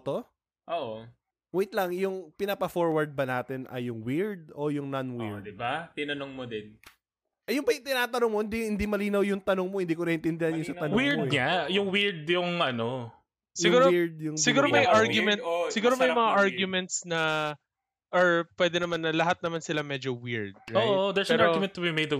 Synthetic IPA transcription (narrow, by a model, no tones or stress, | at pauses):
t̪o | ʔoʔo | wejt̪lɐŋjʊŋpɪnapɐfoɹwɐɹd̪̚bɐnaːt̪ɛnʔɐ̰jʊŋwiɹd̪̚ojʊŋnɐnwiɹd̪ɪbat̪ɪnɐnoŋmod̪ɪn | ɐjʊnbɐjt̪ɪnaːt̪ɐnoŋmoɪnd̪ihɪnd̪imɐliːnɐwjʊŋt̪ɐnoŋmohɪnd̪iːkonɐʔɛnt̪ɪnd̪ɛhɐnjʊnsɐɐnowiɹd̪ɲajʊŋwɪɹd̪jʊŋʔɐno | sɪuːɾoiɹd̪̚jʊŋsɪɡuːɾomɐjaɹɡjʊmɛnt̪sɪɡuːɾomɐjmɐŋaʔaɹɡjʊmɛnt̪snɐ | ʔɐɹpwɛd̪ɛnɐmanːɐlɐɦat̪̚nɐmansɪlamɛd͡ʒowiɹd̪̚ɹojʔod̪ɛspɛaɹoɡjmɛnt̪ːʊbimejd̪ɐ